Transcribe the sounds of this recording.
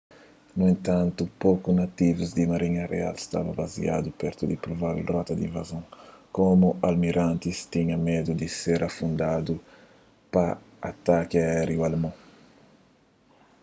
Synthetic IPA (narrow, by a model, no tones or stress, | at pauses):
nuẽnt̪ãnt̪upokunat̪ivuzd̪imaɾiɲɐrḛa̰lst̪a̰vɐbazḭa̰d̪upɛɾt̪ud̪ipɾovavlrɔt̪ɐd̪ḭ̃ɱvazõŋkomualmiɾãnt̪ist̪iɲɐmed̪ud̪iseɾʔafũnd̪ad̪u | pa | a̰t̪akiaɛɾjualmɔ̃